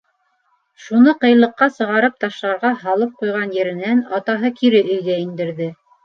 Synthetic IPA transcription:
ʃunɤqɤ̆jlˠɤ̆qːɑsɤ̆ʁɑɾɤp̚t̪ɑʃlˠɑɾʁɑɦɑlˠɤp̚qujʁɑnjɘ̆ɾɘ̆nænɑt̪ɑɦɤkiɾɘʔɵ̆jɡæind̪ɘ̆ɾðɘ

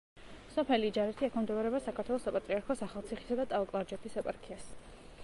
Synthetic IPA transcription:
sɔpʰɛlid͡ʒaɾɛt̪ʰiakʰɔmd̪ɔvɾɛbasakʰat̪ʰwɛlˠɔsapʼat̪ʼɾiaɾkʰɔsaχalˠt̪sʰiχi̥sad̪at̪ʼalˠkʼlˠaɾd͡ʒɛt̪ʰisɛpʼaɾkʰias

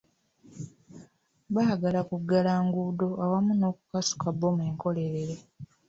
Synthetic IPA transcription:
βaːɡalakuɡːalaːŋɡudo̞ʔawamuno̞ːku̥kasu̥kabːo̞mweːŋko̞le̞ɾeɾe̞

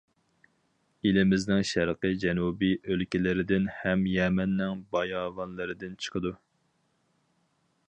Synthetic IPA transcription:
ilɪmɪznɪŋʃæɾqəd͡ʒɛnubiʔølkʲɪlɪɾɪd̪ɪnhɛmjɛmɛnːɪŋbɑjɑːvɑnlˠɨɾɨd̪ɪnt͡ʃʰə̥qʰəd̪u

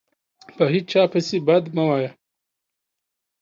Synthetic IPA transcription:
pɐɦit͡ʃʰaːpʰɐsibɐd̪mɐwaːja

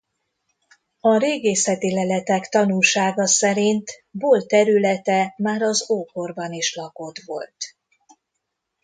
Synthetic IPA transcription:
ɒɾeːɡeːsɛt̪ilɛlɛt̪ɛkt̪ɒnulʃaːɡɒsɛɾint̪boːlt̪ɛɾylɛt̪ɛmaːɾɒzoːkorbɒniʃlɒko̞t̪ʋo̞lt̪

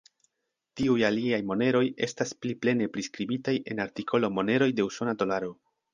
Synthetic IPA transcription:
tiujaliajmo̞ne̞ɾo̞je̞̰staspliple̞ne̞pɾiskɾibitaje̞̰naɾtikʰo̞lo̞mo̞ne̞ɾo̞jde̞uso̞nado̞laɾo̞

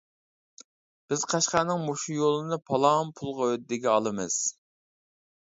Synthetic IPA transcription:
b̥ɪz̥qʰɑʃqænɪŋmoʃujolˠɨnɨpʰɑlˠɑmpʰulˠʁɑød̪ɪɡʲɛɑlˠɨmɨ̰z̥

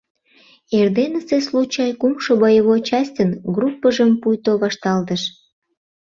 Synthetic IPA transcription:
erd̪enəseslut͡ɕɑjkumʃoβɑjəβot͡ɕɑsʲtʲənɡrupːəʒəmpujt̪oβɑʃt̪ɑlt̪əʃ

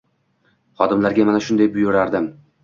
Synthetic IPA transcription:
χɒd̪ɪmlaɾɡʲamanaʃʊnd̪ajbʊjʊɾaɾd̪ɪm

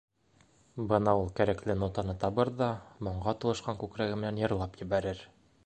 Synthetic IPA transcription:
bɤnɑulˠkæɾæklɘnot̪ɑnɤt̪ɒbɤɾðɑmŏɴɢɑt̪ŏlˠɤ̆ʃqɑŋkʉkɾæɡɘ̆mɘ̆nænjɤ̆ɾlˠɑpjɘ̆bæɾɘɾ

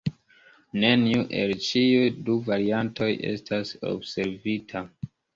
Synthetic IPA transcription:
ne̞niuʔe̞lt͡ʃiujduvaɾiantʰo̞jʔe̞̰stʰaso̰bse̞ɾvitʰa

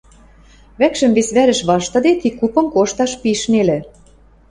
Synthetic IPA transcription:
βækʃə̆mβesβæɾə̆ʃβɑʃt̪ɤ̆d̪et̪ikːupɤ̆mkoʃt̪ɑʃpiʃnelĕ

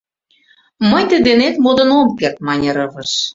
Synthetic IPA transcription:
mənʲt̪ed̪enet̪mod̪ə̆nomkert̪̚mɑnʲeɾəβə̆ʃ

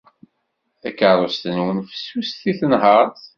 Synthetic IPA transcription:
θækəɾˤost̪ənwənfə̥sːusθiθənɦəɾˤθ

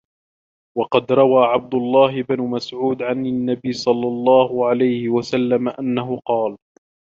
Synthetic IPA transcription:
wɑqɑd̪ɾˤɑwaːʕab̚d̪ʊlˤːɑːhɪbnʊmasʕuːd̪ʕanɪnːabɪjsˤɑlːɑlˤːɑːhʊʕalajhɪwasalːamaʔanːaɦʊqɑːl

